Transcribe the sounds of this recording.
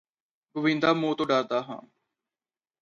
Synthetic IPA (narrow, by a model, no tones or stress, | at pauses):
ɡʊʋɪ̃nd̪aːmõːt̪õːɖaːɾd̪aːɦã̰ː